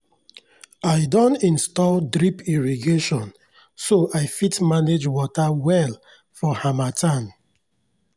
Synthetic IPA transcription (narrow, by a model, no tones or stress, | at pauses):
aɪdɔ̃ntĩnstɔldɾipiɹiɡeʃɔ̃n | soʔaɪfitmaned͡ʒwɔtawɛl | fɔhãmatʰãn